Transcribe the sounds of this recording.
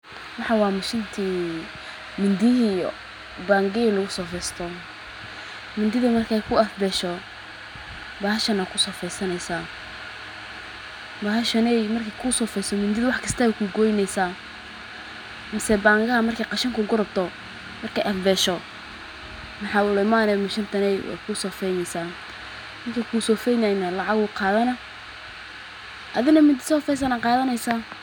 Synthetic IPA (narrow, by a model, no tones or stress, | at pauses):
wɑħɑwɑːmɪʃɪnt̪ʰiː | mɪnd̪ɪɦij | baːŋɡɛlɐɣʊsɔːfɛjst̪ʰɔ | mɪnd̪ɪðʊmɐrkʰɛjkʰʊɐfbɛːʃɔ | baːhɐʃɐnaːkʰʊsɔːfɛjsɐnɛjsaː | baːɦɐʃɐnɛjmɐrkʰɛkʰʊsɔːfɛjsɔmɪnd̪ɪðʊwɑħkʰɐst̪ʰɐɛkʰʊɡɔːjnɛjsaː | mɪsɛbaːŋkɐɐmɐrkʰɐjqɑʃɐŋkʰʊɡʊɾɐb̚t̪ʰɔ | mɐrkʰɛjʔɐlbɛːʃɔ | mɑħɑːʊlɐmaːnɛmɪʃɐnt̪ʰɐnɛjwa̰ːkʰʊsɔːfɛjnɛjsaː | nɪŋkʰɐkʰuːsɔːfɛjnajnɐlɑʕɑɣʊqɑːðɐnɐ | ʔɐðɪnɐmɪnd̪ɪsɔːfɛjs̬ɐnaqɑːðɐnɛjsaː